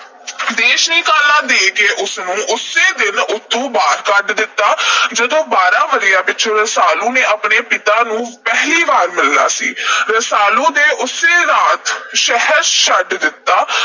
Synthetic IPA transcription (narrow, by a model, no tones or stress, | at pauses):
d̪eːʃnĩːkaːlãːd̪eːkeːʔʊsnũːʔʊseːd̪ɪnʊt̪ʰːũːbaːɾkəɖd̪ɪt̪ːaːd͡ʒəd̪õːbaːɾãːʋəɾɪjaːpɪt͡ʃʰõːɾəsaːlũːneːaːpɳeːpɪt̪ãːnũːpɛɦliːbaːɾmɪlːa̰ːsḭːɾəsaːlũːd̪eːʔʊseːɾaːt̪ʃɛɦəɾʃəɖd̪ɪt̪ːaː